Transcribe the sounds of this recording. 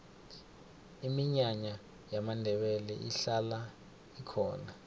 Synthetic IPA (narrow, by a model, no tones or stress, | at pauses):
imiɲaɲa | jamandʱɛɓɛlɛʔiɬala | ikʰɔːna